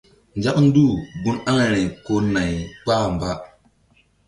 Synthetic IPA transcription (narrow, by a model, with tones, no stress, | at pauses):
n˨d͡ʒa˦kn̩˦du˦˨ɡu˦na˦ŋe˨ɾe˨ko˦na˨jk͡paː˦˨m˨ba˦